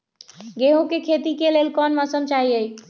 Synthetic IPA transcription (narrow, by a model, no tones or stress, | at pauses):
ɡeɦõkekʰet̪ikelelkɔnmɔsəmt͡ʃaɦiəj